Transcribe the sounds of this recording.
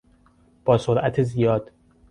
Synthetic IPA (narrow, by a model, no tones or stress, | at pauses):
b̥ɒːsoɾʔæt̪ʰezijɒːd̪̥